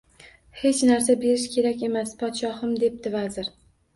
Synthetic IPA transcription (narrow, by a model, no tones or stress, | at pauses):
he̞t͡ʃnaɾs̬abe̞ɾɪʃkʲʰe̞ɾakʲe̞maspʰɒt̪ʃɒhɪmd̪e̞p̚d̪ɪvazɪɾ